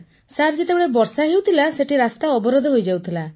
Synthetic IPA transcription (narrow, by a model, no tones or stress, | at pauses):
saɾd͡ʒet̪ebeɭebɔɾsaɦewt̪ʰilaseʈiɾast̪aɔbɔɾɔd̪ʱɔɦojd͡ʒawt̪ʰila